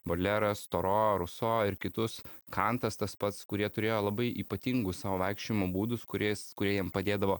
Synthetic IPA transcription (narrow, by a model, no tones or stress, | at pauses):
bolʲɛɾɐst̪oːɾoːɾʊsoːɪɾkʲɪt̪ʊskɐnt̪ɐst̪ɐspɐt̪skʊɾʲiɛt̪ʊɾʲeːjoːlˠɐbɐɪʔiːpɐt̪ʲiŋɡʊssɑːʋoːʋɐɪkʃʲt͡ʃʲoɪmoːbuːd̪ʊskʊɾʲɛskʊɾʲiɛjɛmpɐd̪ʲeːd̪ɐʋoː